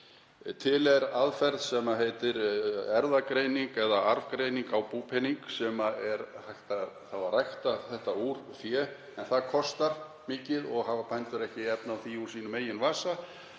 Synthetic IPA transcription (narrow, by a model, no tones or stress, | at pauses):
t̪ʰɪlɛɾaðfɛɾðsɛmaɦeːjt̪ɪɾɛɾðakɾeːjniŋkɛðaaɾvkɾejniŋkawpuːpʰɛniŋksɛmaɛɾhajht̪aθavarajxt̪aθɛht̪auːɾ̥fjɛː | ɛnθaðkʰɔst̪aɾ | mɪːcɪðɔɣhaːvapʰajnt̪ʏɾɛhcɪɛpnawθiuɾ̥siːnʏmeːjɪnvaːsa